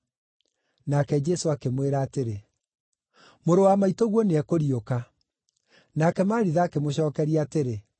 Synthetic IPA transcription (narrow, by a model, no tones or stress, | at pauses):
nakɛd͡ʒɛsoakemweɾaːteɾe | moɾowamaitoɣwɔneɛkoɾioka | nakɛmaːɾiðaːkemoɕɔːkɛɾiaːteɾe